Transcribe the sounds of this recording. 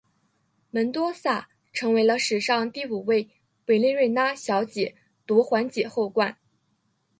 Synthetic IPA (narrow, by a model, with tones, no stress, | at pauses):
mə˧˥nt̪wɔ˥sa˥˩ | ʈ͡ʂʰɤ˧˥ŋwe˧˥ɪlə˧ʂɻ̩˨˩ʂɑ˥˧ŋt̪i˥˩u˨˩we˥˩ɪ | we˨˩ɪli˥˧ɻe˥˩ɪna˥ɕjɑ˧˥ʊt͡ɕjɛ˨˩˦ | t̪ɔ˧˥xwa˧˥nt͡ɕjɛ˨˩xo˥˧ʊkwa˥˩n